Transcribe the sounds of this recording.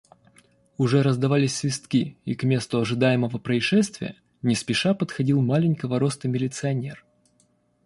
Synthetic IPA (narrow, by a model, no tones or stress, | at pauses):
ʊʐɛɾəzd̪ɐvalʲɪsʲsvʲɪst̪kʲiikmʲe̞st̪ʊɐʐɨd̪ajɪməvəpɾəɪʂɛst̪vʲɪ̰jə̰ | nʲɪspʲɪʂapət̪xɐdʲilˠmalʲɪnʲkəvəɾost̪əmʲɪlʲɪt̪sɨɐnʲe̞r